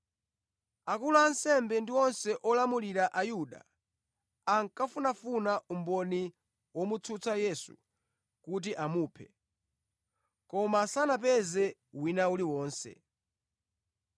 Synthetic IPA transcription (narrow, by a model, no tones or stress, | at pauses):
akulaansɛmbɛndiɔnsɛʔɔlamuliɾaʔajuɗa̰ː | ŋkafunafunaʔumbɔni | wɔmut͡sʰut͡sajɛsṵ | kut̬iʔamuːpʰɛ | kɔmasanap̬ɛzɛwinauliwɔːnsɛ̰